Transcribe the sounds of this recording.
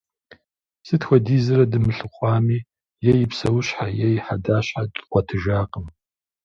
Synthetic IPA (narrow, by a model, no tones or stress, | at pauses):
sɨtxʷɐdiːzɐrɐdɨmɨɬɨqʷʼɑːmiː | jejipʰsɐwʊɕħajejħadaːɕħatʼqʷatʰɨʒaːqʼəm